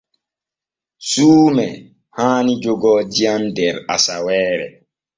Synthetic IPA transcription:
suːmɛ | haːnid͡ʒoɡɔdiandɛɾasawɛːɾɛ̰

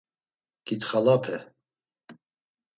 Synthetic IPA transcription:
ɡ̥it̪χalapʰɛ

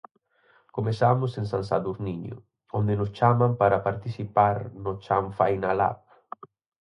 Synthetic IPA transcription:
komesamʊsẽnsansaðuzniɲʊ̰ | ond̪ɪnʊst͡ʃamampaɾapaɾt̪isipaɾnʊt͡ʃaɱfajnala̰p̚

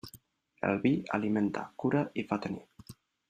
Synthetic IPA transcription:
ḛlβia̰liment̪a̰kuɾaʔifat̪enḭ

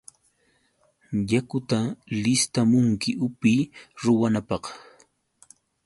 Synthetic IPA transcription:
jakʊt̪alɪst̪amʊŋkɪʔʊpijɾʊwanapɑq

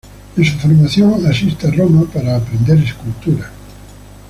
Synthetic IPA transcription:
esufoɾmaθjoŋasist̪aromapaɾaːpɾend̪eɾeskult̪uɾa

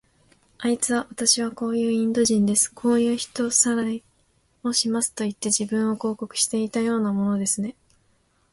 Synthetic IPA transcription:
ait͡sɨβaβat̪aɕiβ̞ako̞ːjɯ̟ːĩnd̪o̞ʑĩnd̪e̞sɨ̥kʰo̞ːjɯ̟ːçi̥t̪o̞saɾai | o̞ɕimasɨ̥t̪o̞it̪ːe̞ʑibɯ̟̃ɰ̃o̞ko̞ːko̞kɯ̟̥ɕi̥t̪e̞it̪ajo̞ːnamo̞no̞d̪e̞sɨne̞

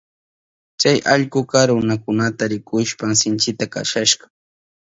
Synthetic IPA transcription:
t͡ʃajʔaʎkʊkaɾʊnakʊnat̪aɾɪkʊʃpamsɪnt͡ʃɪt̪aka̰ʃaʃɢɑ̥

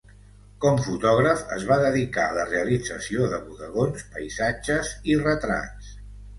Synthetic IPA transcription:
kɔmfut̪ɔɣɾəfə̰zβaðəðika̰ələreəlid͡zəsioðəβuðəɣonspəjzad͡ʒəzirət̪ɾa̰t͡s

